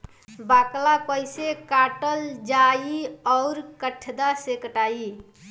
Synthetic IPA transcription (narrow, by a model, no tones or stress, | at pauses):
baklapəɪsekaʈəld͡ʒaiɔʊɾkəʈʰd̪asekəʈai